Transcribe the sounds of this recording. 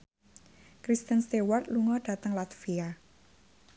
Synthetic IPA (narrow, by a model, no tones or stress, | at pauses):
kɾist̪ənst̪ewart̪luŋɔd̥a̤t̪əŋlat̪fia